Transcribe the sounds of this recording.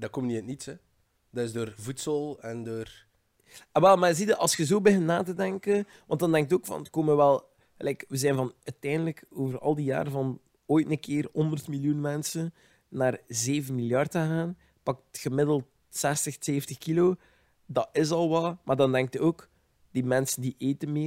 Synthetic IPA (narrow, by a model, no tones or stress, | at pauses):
dɑkɔmniətnitsɛ | dɑɪzdoːrvutsəlˠɛndoːr | aʋɛlˠmazidəʔɑlˠsxəzoːbəɦɪnnːaːtədɛŋkən | ʋɑntdɑndɛŋk̚toːkfɑ̰nətkoːmənʋɛlˠ | əlɛkʋəzɛjnvɑnœɥtɛjndələkoːvərɑ̰lˠdija̰ːɾəvɑn | oːjtnəkʰɪːrɦɔndərtmiljunmɛnsənː | aːrzeːvənmiljɑrdənaːn | pɑk̚txəmɪdəlˠt | sɛstəxseːftəxkiloː | dɑɪzɑlˠʋɑlˠmʔaːrdɑndɛŋk̚təoːk | d̥imɛnsəndiʔeːtənmɪː